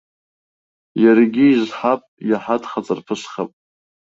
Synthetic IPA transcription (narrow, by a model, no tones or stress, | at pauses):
jaɾiɡʲiːzħapʼjaħatʰʼχat͡sʼarpʰɨʃχapʼ